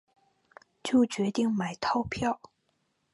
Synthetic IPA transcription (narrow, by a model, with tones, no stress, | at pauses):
t͡ɕjo˥˩ʊt͡ɕɥɛ˧˥t̪i˥˩ŋma˨˩ɪt̪ʰɑ˥˧ʊpʰjɑ˥˩ʊ